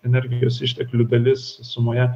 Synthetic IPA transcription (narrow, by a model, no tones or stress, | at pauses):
ɛnʲɛɾʲɡʲɪjoːsɪʃʲt̪ʲɛklʲʊd̪ɐlʲɪssʊmoːjɛ